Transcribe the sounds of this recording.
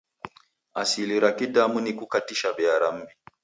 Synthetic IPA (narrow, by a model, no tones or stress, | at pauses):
asiliɾakidamunikukatiʃaɓɛaɾam̩bi